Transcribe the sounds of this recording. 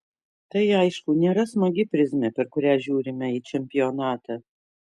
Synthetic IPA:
t̪ɐɪɐɪʃkʊnʲeːɾɐsmɐɡʲɪpʲɾʲɪzʲmʲɛpʲɛɾkʊɾʲæːʒʲuːɾʲɪmʲɛiːt͡ʃʲɛmʲpʲɪjɔːnɑːt̪ɑː

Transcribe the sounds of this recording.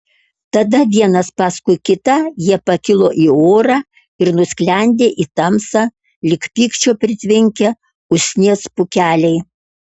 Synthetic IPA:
t̪ɐd̪ɐʋʲiɛnɐspɑskʊɪkʲɪt̪ɐjiɛpɐkʲɪlˠoːʔiːoːɾɑː | ɪɾnʊsʲklʲɛˑnʲd̪ʲeːʔiːt̪ɐmsɑː | lʲɪkpʲiːkʃt͡ʃʲoːpʲɾʲɪt̪ʲʋʲɪŋʲkʲɛ | ʊsʲnʲeɛspʊkʲæːlʲɛɪ

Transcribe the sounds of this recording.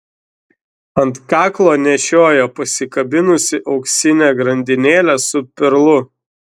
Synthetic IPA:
ɐnt̪kɑːklˠoːnʲɛʃʲoːjoːpɐsʲɪkɐbʲɪnʊsʲɪʔɒʊksʲɪnʲæːɡɾɐnʲd̪ʲɪnʲeːlʲæsʊpʲɪɾlˠʊ

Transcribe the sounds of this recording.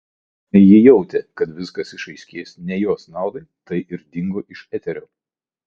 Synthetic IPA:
jɪjɛʊt̪ʲɛkɐt̪ʋʲɪskɐsɪʃɐɪsʲkʲeːsnʲɛjoːsnɑˑʊd̪ɐɪt̪ɐɪʔɪɾd̪ʲɪŋɡoːʔɪʃɛt̪ʲɛɾʲoː

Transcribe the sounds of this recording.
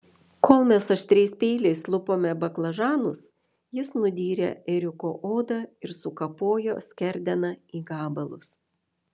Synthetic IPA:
koːlˠmʲɛsɐʃt̪ʲɾʲɛɪspʲɛːlʲɛɪslˠʊpoːmʲɛbɐklˠɐʒɑːnʊs | jɪsnʊd̪ʲiːɾʲḛɛɾʲɪkoːʔoːd̪ɐɪɾsʊkɐpoːjo̰ːsʲkʲɛɾʲd̪ʲɛnɐiːɡɑːbɐlˠʊ̰s

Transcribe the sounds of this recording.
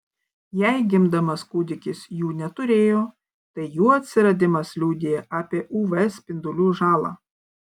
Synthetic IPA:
jɛɪɡʲɪmd̪ɐmɐskuːd̪ʲɪkʲɪsjuːnʲɛt̪ʊɾʲeːjoː | t̪ɐɪjuːɐt̪ʲsʲɪɾɐd̪ʲɪmɐslʲuːd̪ʲejɛʔɑːpʲeɛʔuːʋɛsʲpʲɪnd̪ʊlʲuːʒɑːlˠɑ̰ː

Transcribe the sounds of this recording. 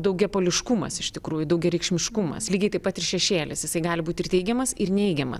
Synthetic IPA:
d̪ɐʊɡʲɛpoːlʲɪʃkumɐ̰sɪʃt̪ʲɪkɾuːjʊd̪ɐʊɡʲɛɾʲɛɪkʃʲmʲɪʃkumɐ̰slʲiːɡʲɛɪt̪ɐɪpɐt̪ɪrʃʲɛʃʲeːlʲɪsjɪsɐɪɡɑːlʲɪbuːt̪ʲɪrt̪ʲɛɪɡʲɛmɐsɪrnʲɛɪɡʲɛmɐ̰s

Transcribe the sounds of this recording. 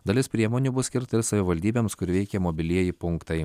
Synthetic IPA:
d̪ɐlʲɪspʲɾʲiɛmoːnʲuːbʊsʲkʲɪɾt̪ɐɪɾsɐʋʲɪʋɐlʲd̪ʲiːbʲeːmskʊɾʲʋʲɛɪkʲɛmoːbʲɪlʲiɛjɪpʊŋkt̪ɐɪ

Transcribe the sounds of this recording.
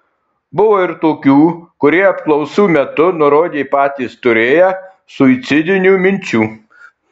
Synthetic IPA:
bʊʋoːɪɾt̪oːkʲuːkʊɾʲiɛɐpklˠɔʊsuːmʲɛt̪ʊnʊɾoːd̪ʲeːpɑːt̪ʲist̪ʊɾʲeːjɛ | sʊɪt̪sʲɪd̪ʲɪnʲuːmʲɪnʲt͡ʃʲuː

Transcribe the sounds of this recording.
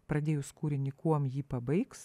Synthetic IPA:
pɾɐd̪ʲeːjʊskuːɾʲɪnʲɪkuɔmjiːpɐbɐɪks

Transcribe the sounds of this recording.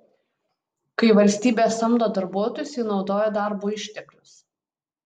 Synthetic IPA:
kɐɪʋɐlʲsʲt̪ʲiːbʲeːsɐmd̪oːd̪ɐɾbuɔt̪oːjʊsʲiːnɒʊd̪oːjod̪ɑˑɾbuːɪʃʲt̪ʲɛklʲʊs

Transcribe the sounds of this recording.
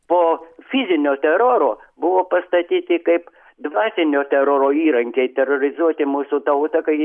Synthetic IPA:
poːfʲɪzʲɪnʲoːt̪ʲɛɾoːɾobʊʋoːpɐst̪ɐt̪ʲiːt̪ʲɪkɐɪp | d̪ʋɑːt̪ʲɪnʲoːt̪ʲɛɾoːɾoːiːɾɐŋʲkʲɛɪt̪ʲɛroɾʲɪzuɔt̪ʲɪmuːsʊt̪ɐʊt̪ɐkɐɪ

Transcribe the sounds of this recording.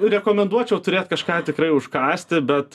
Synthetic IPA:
ɾʲɛkoːmʲɛnd̪uɔt͡ʃʲɛʊt̪ʊɾʲeːt̪kɐʃkɑːt̪ʲɪkrɐɪʊʃkɑːsʲt̪ʲɪbʲɛt̪

